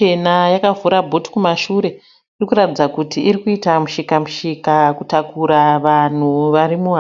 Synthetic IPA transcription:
enajakavuɾabʱoti̥kumaʃuɾe̞ | irikuɾatid͡zakutiʔiɾikuitamuʃikamuʃikakutakuɾaʋan̤uʋaɾimua

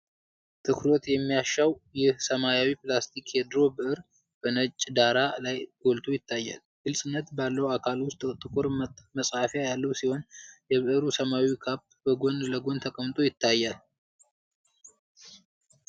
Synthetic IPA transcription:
t̪ʰɨkʰɾo̞t̪jɛmːijaʃːawjɪhsəmajawipʼlast̪ʰikhed̪ɾo̞bɨʔɨɾ | b̥ənət͡ʃʼːd̪aɾalajɡ̥o̞lt̪ʰo̞jɪt̪ʰːajːa̰l | ɡ̥ɨlsʼɨnːət̪balːəwakʰalwʊst̪ʼt̪ʼɨkʼuɾməsʼhafajalːəwsiho̞njɛβɨʔɨɾusəmawikʰap̚ː | bəɡo̞nləɡo̞nt̪ʰəkʼəmt̪ʼo̞jɪt̪ʰːajːal

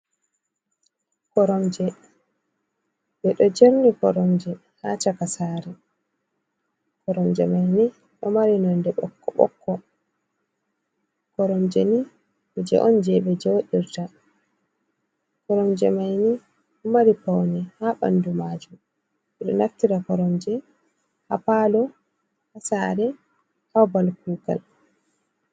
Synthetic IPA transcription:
kɔɾɔmd͡ʒɛ | bɛɗɔd͡ʒeɾnikɔɾɔmd͡ʒɛ | hatakasaːɾɛ | kɔɾɔmd͡ʒɛmajni | ɗɔmaɾinɔndɛɓɔ̰kːɔɓɔ̰kːɔ | kɔɾɔmd͡ʒɛni | ɔd͡ʒɛ̰ʔɔnd͡ʒɛɓɛd͡ʒɛwoɗiɾta | kɔɾɔmd͡ʒɛmajni | ɗɔmaɾipawnɛhaɓa̰ndumaːd͡ʒum | ɓɛɗɔ̰naftiɾakɔɾɔmd͡ʒɛ | hapalɔ | hasaɾɛ | hawbalkuɡa̰l

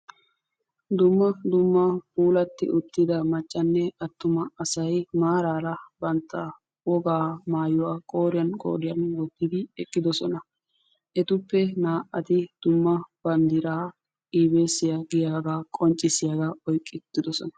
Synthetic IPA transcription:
d̪ʊmːɐd̪ʊmːɐpuːlɐt̪ːɪ̰ʔʊt̪ːɪd̪ɐmɐt͡ʃʼːɐnːɛɐt̪ːʊmɐɐsɐjmaːɾaːɾɐbɐnt̪ʰːɐ | wɔɡaːmaːjʊwaːkʼoːɾɪjɐnkʼo̰ːɾɪjɐnwɔɡ̪ːɪd̪ɪɛkʼːɪd̪ɔsɔnɐ | ʔɛt̪ʊpːɛnaːʔɐt̪ɪd̪̥ʊmːɐb̥ɐnd̪ɪɾaː | ʔiːbe̞ːsːɪjɐɡɪjaːɡakʼɔnt͡ʃʼːɪsɪjaːɡaɔjkʼːɪt̪ːɪd̪ɔsɔ̰nɐ̥

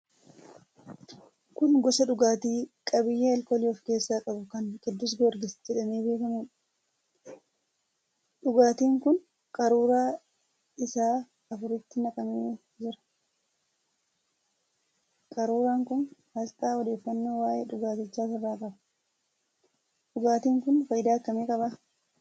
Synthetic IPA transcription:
kʊnɡɔsɐᶑʊɡaːt̪iːkʼɐbɪjːeːɛlkoːliɔfke̞ːsːaːkʼɐbʊkɐŋɡɛd̪ːʊs̬ɡɔɾɡɪsd͡ʒɛᶑɐniːbeːkɐmʊ | ᶑʊɡaːt̪iːŋkʊn | kʼɐɾuːɾaː | ɪsaː | ɐfʊɾɪt̪ːɪnɐkʼɐmeː | d͡ʒɪɾɐ̥ | kʼɐɾuːɾaːŋkʊnhɐlt̪ʼaːɔd̪e̞ːfːɐnːoːwaːjʔeːᶑʊɡaːt̪ɪt͡ʃːaːfɪrːaːkʼɐbɐ̥ | ᶑʊɡaːt̪iːŋkʊnfɐjɪd̪aːt̪ːɐmeːkʼɐbɐ

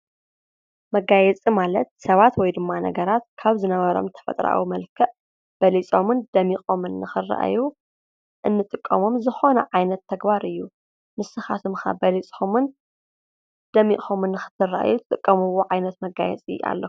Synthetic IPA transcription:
mɐɡajɛt͡sʼimalɐt̪̚sɐβat̪wɔjd̪ɨmːanɐ̰ɡɐɾat̪kʰaβzɨnɐβɐɾo̰mt̪ʰɐ̥fɐ̰t̪ʼɾa̰wimɐlkʰɐʔ | b̥ɐlit͡sʼomɨnd̪ɐmixʼomɨnːɨxɨrːa̰ʔju | ʔɨnːɨt̪ʼɨkʼːɐmo̞mzɨxo̞nɐ̰ʕajnɐt̪ʰːɐɡbaɾɨjːu | mɨsɨxa̰t̪ʰɨmxa̰bɐlit͡sʼomɨn | d̪̥ɐmḭxʼomɨnːɨxɨ̥t̪ʰːɨrːa̰ʔjuɨt̪ʼɨkʼːɐmɨwoʕajnɐt̪mɐɡajɛ̰t͡sʼḭa̰lːɐu

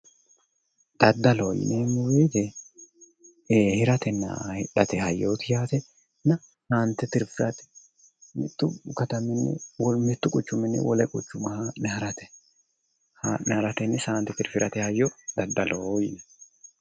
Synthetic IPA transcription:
d̪̥ɐd̪ːɐloːjɪ̰nemʊweːt̪ɛ | eːhɪɾɐt̪ɛnːɐ̰hɪᶑɐt̪ɛhɐjːoːt̪ɪjaːt̪ɛ | nɐ | saːnt̪ːɛt̪ɪɾfɪɾɐt̪ɛ̥ | mɪt̪ːʊkɐt̪ɐmɪnːɪ̰wɔmɪt̪ːʊkʼʊt͡ʃːʊmɪnːɪ̰wɔlɛkʼʊt͡ʃːʊmɐhnɛhɐɾɐt̪ɛ̥ | hanɛhɐɾɐt̪ɛnːɪsaːnt̪ːɛt̪ɪɾfɪɾʔɐt̪ɛhɐjːɔd̪ɐd̪ːɐlojn

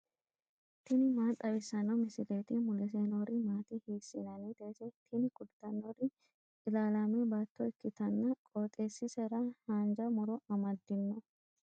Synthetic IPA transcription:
t̪ɪnɪmaːt̪ʼɐbɪsːɐnɐmɪsɪleːt̪ɪmʊlɛs̬enoːɾɪmaːt̪ɪheːsːɪnɐnit̪eːsɛt̪ʰɪnɪkʊd̪t̪ɐnːoɾɪ | ɪlaːlamɛbaːt̪ːɔɛkːɪt̪ɐnːɐkʼoːt̪ʼeːsːɪsɛɾɐhaːnd͡ʒɐmʊɾɔɐmɐd̪ːɪnːɔ

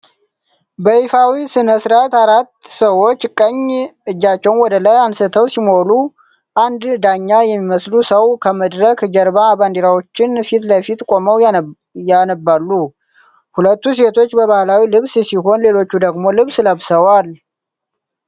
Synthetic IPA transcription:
bəifawisɨnəsɾat̪aɾat̪ːsəwo̞t͡ʃːkʼəɲɨd͡ʒːat͡ʃːɛwnwɔd̪ələjansɨt̪ʰəwsimolu | ʔand̪d̪aɲːajɛmːiməslusəwkʰəməd̪ɾəkd͡ʒɛɾbaband̪iɾawo̞t͡ʃːɪnfit̪ləfit̪kʼo̞məw | janəbːalːu | hulət̪ːuse̞t̪ʰo̞t͡ʃːbəβahlawilɨβssiɦo̞nle̞lo̞t͡ʃːud̪əɡmo̞lɨβsləβsəwal

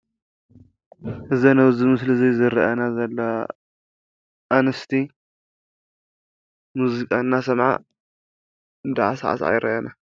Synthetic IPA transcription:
ʔɨzɐnɐwzɨmɨslɨzijzɨɾɐʔanazɐlːɐ | ʔanɐst̪ʰi | muzikʼanːasɐmʕa̰ | nd̪aʕa̰sa̰ʕa̰sʕa̰jɾɐ̰ʔana

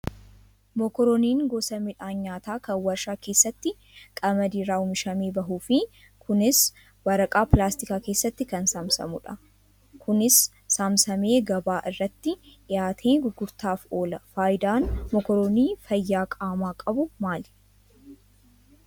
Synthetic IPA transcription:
mɔkɔɾoːniːŋɡɔsɐmɪᶑaːɲːaːt̪aːkɐwɐɾʃaːke̞ːsːɐt̪ːɪ | kʼɐmɐd̪iːɾaːʊmɪʃɐmeːbɐɦuːfɪ | kʰʊnɪs | wɐɾɐkʼaːplaːst̪ɪkaːke̞ːsːɐt̪ːɪkɐnsaːmsɐ̰mʊᶑɐ | kʰʊnɪsː | aːmsɐme̞ːɡɐbaːʔɪrːɐt̪ːɪʔɪjaːt̪ʰeːɡʊɡːʊɾt̪aːfo̞ːlɐfaːjɪd̪aːnmɔkɔɾoːniːfɐjːaːkʼaːmaːkʼɐbʊmaːl

